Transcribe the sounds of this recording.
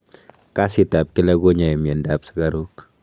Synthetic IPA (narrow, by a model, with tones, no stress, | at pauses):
ka˦si˨t̪a˨p̚kɪ˦lɐɡo˦ɲa˨jɛ˨me˨ndabsɪ̥˦ɡa˦ɾuk